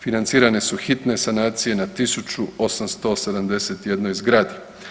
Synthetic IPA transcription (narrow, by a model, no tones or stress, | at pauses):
finant̪siːɾane̞suxit̪ne̞sanaːt̪sije̞nat̪isut͡ʃuo̞samst̪o̞se̞d̪amd̪e̞se̞t̪je̞d̪nojzɡɾaːd̪i